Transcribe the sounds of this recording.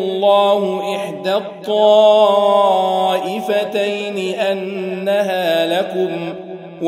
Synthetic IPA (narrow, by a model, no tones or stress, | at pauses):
lˤːɑːhʊʔɪħd̪at̪ˤːɑː | ʔɪfat̪ajnɪʔanːaɦaːlakʊm | w